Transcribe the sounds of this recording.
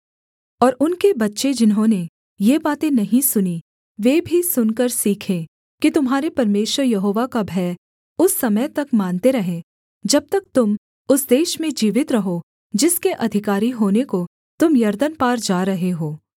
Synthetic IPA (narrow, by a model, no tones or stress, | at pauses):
ɔːɾʊnkebɐtːʃed͡ʒɪnɦõːne | jebaːt̪ẽnɐɦĩsʊni | ʋeːbʱisʊnkəɾsiːkʰẽ | kit̪ʊmɦaːɾepɐɾmeːʃwəɾjɐɦoːʋakabʱɛː | ʊsːɐməjt̪ɐkmaːnt̪eɾɐɦẽ | d͡ʒɐb̚t̪ɐk̚t̪ʊm | ʊsd̪eːʃmẽd͡ʒiːʋɪt̪ɾɐɦo | d͡ʒɪskeʔɐd̪ʱɪkaːɾiɦoːneko | t̪ʊmjɐɾd̪ənpaːɾd͡ʒaːɾɐɦeɦoː